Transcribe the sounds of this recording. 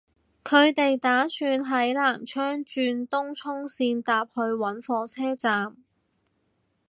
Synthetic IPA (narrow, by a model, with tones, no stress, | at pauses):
kʰɵ˨˧ɥt̪e˨jt̪aː˨˥syː˧nɦɐ˨˥jlaː˨˩mt͡ʃʰœː˥ŋt͡ʃyː˧nt̪ʊ˥ŋt͡sʰʊ˥ŋsiː˧nt̪aː˨p̚hɵ˧ɥwɐ˨˥nfɔː˧t͡sʰɛː˥t͡saː˨m